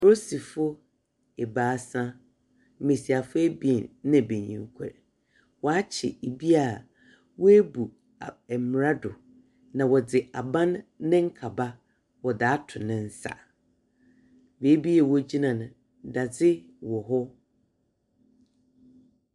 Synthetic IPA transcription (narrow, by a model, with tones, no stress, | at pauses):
fɾo˦si˨fʊ˦ | ɛ˨baː˨˦sã˦ | mẽ˨si˨a˨fʊ˦e˦bi˨˦nɪ̃˦˨be˨ɲḭ̃˨ŋ˦kʷʰɛ̰˨ɾ | wɔ˨a˦t͡ɕʰɪ̰˨e˨bi˦a˨ | wɔ˦e˦bu˨ | a˨ɛ˨m˨ɾa˦dʊ˨ | nã˨wɔ˨d͡zɪ˨ʔa˨bã˦nːɪ̃˦ŋ̩˦kʰa˨ba˦ | wɔ˨daː˨˦tʰʊ˨nɪ̃˨n̩˦sa̰˨ | beː˨˦bi˦jɛ˨wɔ˦d͡ʑi˦nã˨nʊ̃˨ | da˨d͡zɪ˦ | wɔ˨ɦɔ˦